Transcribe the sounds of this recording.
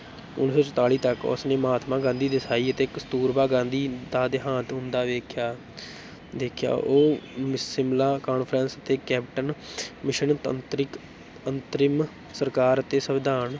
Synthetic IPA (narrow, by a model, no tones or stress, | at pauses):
ʊ̰nsoːt͡ʃət̪aːɭiːt̪əkʊ̰sneːmaːt̪ʰmãːɡãːnd̪iːd̪ɪsaːiːət̪eːkst̪uːɾbaːɡãːnd̪iːd̪aːd̪eɦãːt̪ɦʊ̃nd̪aːʋeːkʰjaː | d̪eːkʰja̰ːʔoːmɪɪmlaːkaːnpʰɾənsət̪eːkɛːp̚ʈənmɪʃənt̪ə̰nt̪ɾɪk | ənt̪ɾɪm | səɾkaːɾət̪eːsəʋɪd̪aːn